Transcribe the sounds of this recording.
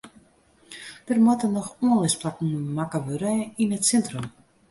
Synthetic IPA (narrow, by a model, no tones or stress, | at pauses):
d̥ərmɔtənɔxuənlɪsplakn̩makəʋøɾəinətsɛntrəm